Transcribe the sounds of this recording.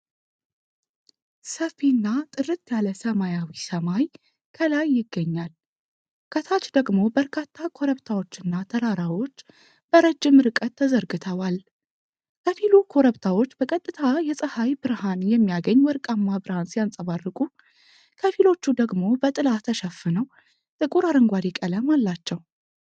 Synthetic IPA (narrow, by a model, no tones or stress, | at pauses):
səfinːat̪ʼɨɾɨt̪jaləsəmajawisəmaj | kʰəlajːɪɡːəɲːal | kʰʼət̪ʰat͡ʃːd̪əɡmo̞bəɾkʰat̪ʰːakʰo̞ɾəβt̪ʰawo̞t͡ʃːɨnːat̪ʰəɾaɾawo̞t͡ʃː | b̥əɾəd͡ʒːɪmɾɨkʼət̪ʰːəzəɾɡɨt̪ʰəwal | kʰəfilukʰo̞ɾəβt̪ʰawo̞t͡ʃːbəkʼət̪ʼːɨt̪ʰajɛsʼɨhajbɨɾhanjɛmːijaɡəɲːwɔɾkʼamːabɨɾhansijansʼəβarːɨkʼu | kʰəfilo̞t͡ʃːud̪əɡmo̞bət̪ʼɨlat̪ʰəʃəfːɨnəw | t̪ʼɨkʼuɾaɾəŋɡʷaɾikʼələmalːat͡ʃːɛw